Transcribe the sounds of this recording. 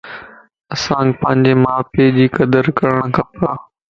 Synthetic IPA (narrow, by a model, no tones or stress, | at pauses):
ɐsãːpɐ̃ɦɪ̃ɲd͡ʑeːmaːpeːd͡ʑiːkɐd̪əɾkɐɾəɽ̃kʰapaː